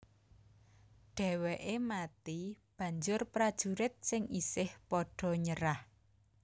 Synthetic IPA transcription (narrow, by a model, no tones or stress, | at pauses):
ɖ̥ɛ̤weʔemat̪ib̥ä̤ɲd͡ʒʊrpɾad̥ʒ̥uɾɪt̪̚sɪŋisɪhpɔɖ̥ɔ̤ɲəɾah